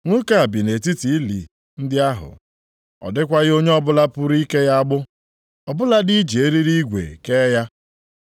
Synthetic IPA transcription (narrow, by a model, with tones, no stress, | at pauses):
ŋʷʊ˦ka˦˨a˨bi˨ne˨ti˦ti˨˦lḭ˨ | n̩˦dɪ˦a˦ɦʊ̰˨ | ɔ̰˨dɪ˦kʷa˦ɣɪ˦o˦ɲe˦ɔ˦bʊ˦la˦pʊ˦ɾi˦ke˦ja˦a˦ɡ͡bʊ˦ | ɔ˨bʊ˦la˦di˦d͡ʒi˨e˦ɾi˦ɾi˦i˦ɡʷḛ˨ke˦ja˦